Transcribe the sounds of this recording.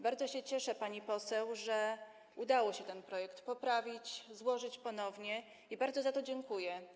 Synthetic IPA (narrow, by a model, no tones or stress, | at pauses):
baɾd̪zɔɕɛt͡ɕɛʂɛpaɲipɔsɛwʐɛ | ud̪awɔɕɛt̪ɛnpɾɔjɛkt̪pɔpɾavʲit͡ɕzwɔʐɘt͡ɕpɔnɔvɲɛ | ibaɾd̪zɔzat̪ɔd͡ʑɛŋkujɛ